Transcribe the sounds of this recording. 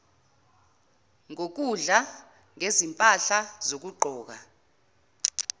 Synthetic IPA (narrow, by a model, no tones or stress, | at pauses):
ŋok̬uɮa | ŋezimpʼaɬazok̬uɡ͡ǃʱɔːk̬a